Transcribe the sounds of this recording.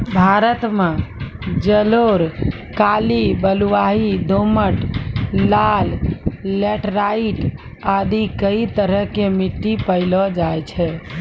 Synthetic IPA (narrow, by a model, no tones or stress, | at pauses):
bʱaɾət̪mẽ | d͡ʒəloɾ | kalibəluʋaɦid̪oməʈlːallɛʈɾaiʈ | ad̪ikəit̪əɾəɦkemiʈːipəɪlɔd͡ʒajt͡ʃʰɛ